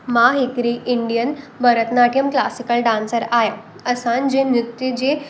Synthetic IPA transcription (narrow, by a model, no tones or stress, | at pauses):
maɦekɾiʔiɳɖijənbəɾət̪naʈijəmklasikəlɖãnsəɾaja | əsand͡ʑenɾut̪ːjid͡ʑe